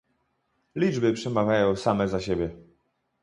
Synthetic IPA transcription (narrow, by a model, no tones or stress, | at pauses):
lʲid͡ʐbɘpʂɛmavʲjajɔ̃w̃samɛzaɕebʲjɛ